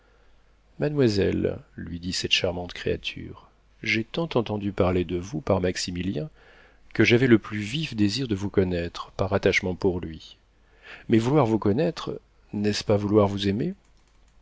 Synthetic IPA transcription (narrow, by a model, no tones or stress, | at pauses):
mad̪mwazɛ̰lːɥid̪isɛt̪ʃaʁmɑ̃t̪kχḛa̰t̪ʰy̰ʁ | ʒɛt̪ɑ̃t̪ɑ̃t̪ɑ̃d̪ypaʁled̪əvupaʁmaksimiljɛ̃ | kəʒavɛləplyvifd̪eziʁd̪əvukɔnɛt̪χpaʁat̪aʃmɑ̃puʁlɥi | mɛvulwaʁvukɔnɛt̪χ | nɛspavulwaʁvuzeme